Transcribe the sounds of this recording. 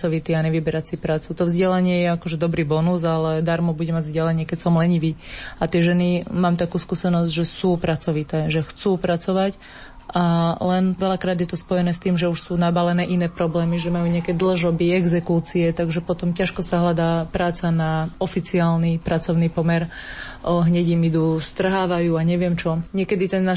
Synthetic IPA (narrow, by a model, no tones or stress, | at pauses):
ɔʋit̪iːaɲɛʋibɛɾat͡sipɾaːt͡sut̪ɔvzɟɛlaɲɪɛjɛakɔʒɛd̪ɔbɾiːbɔnuzalɛd̪aɾmɔbuɟɛmaɟvzɟɛlaɲɪɛkɛcsɔmlɛɲiʋiːat̪ɪɛʒɛnimaːmt̪akuːskuːsɛnɔzɟʒɛsuːpɾat͡sɔʋit̪ɛːʒɛxt͡suːpɾat͡sɔʋac | ʔalɛnʋɛʎakɾaːd̪jɛt̪ɔspɔjɛnɛːst̪iːmʒɛuʃsuːnabalɛnɛːʔinɛːpɾɔblɛːmiʒɛmajuːɲɪakɛd̪l̩ʒɔbiɛɡzɛkuːt͡siɛt̪aɡʒɛpɔt̪ɔmcaʃkɔsaɦlad̪aːpɾaːt͡sanaɔfit͡siaːlnipɾat͡sɔʊnipɔmɛɾ | ɦɲɛɟimid̪uːst̪r̩ɦaːʋajuːaɲɛʋɪɛmt͡ʃɔɲɪɛkɛd̪it̪ɛnːa